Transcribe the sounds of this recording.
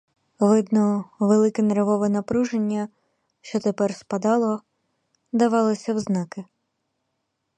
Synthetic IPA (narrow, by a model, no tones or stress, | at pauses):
ʋɪd̪nɔʋelˠɪkɛneɾʋɔʋɛnɐpɾuʒenʲːɐ | ʃt͡ʃɔt̪epɛrspɐd̪ɑlˠɔ | d̪ɐʋɑlˠɔsʲɐwznɑkɪ